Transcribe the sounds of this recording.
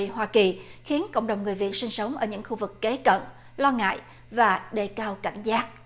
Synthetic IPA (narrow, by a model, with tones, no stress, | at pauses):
ḭ˧˨˩hwaː˧ki˨˩xi˨˦ənko̰˧˨wŋ͡mɗə˨˩wŋ͡mŋɨ˨˩əjvḭ˧˨ət̚sï˧ŋ̟sə˨˦wŋ͡mʔəː˧˩ɲɨ̰˧˥ŋxu˧vɨ˨˩kːe˨˦kə̰˧˨n | lɔ˧ŋa̰ː˧˨j | vaː˨˩ɗe˧˨˩kaː˧wka˧˩jŋ̟zaː˦˥k̚